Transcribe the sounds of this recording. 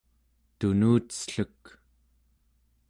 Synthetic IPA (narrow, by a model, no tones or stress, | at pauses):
t̪unuːt̪sɬuk